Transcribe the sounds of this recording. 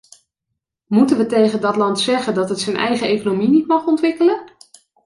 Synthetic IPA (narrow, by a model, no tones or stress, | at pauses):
mutənʋətejχəndɑtlɑntsɛχəndɑtɦətsənʔɛ̰jχəejkonominitmɑχɔntʋɪkələn